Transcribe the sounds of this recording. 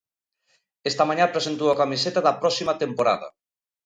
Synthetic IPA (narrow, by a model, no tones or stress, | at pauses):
est̪ɐmaɲãpɾesent̪uwɐkamiset̪aðɐpɾɔsimɐt̪empoɾa̰ðɐ̰